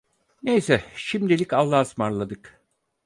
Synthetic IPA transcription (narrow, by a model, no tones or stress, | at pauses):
nejsɛʃimd̪ilʲicalˠːaːsmaɾlˠad̪ɯk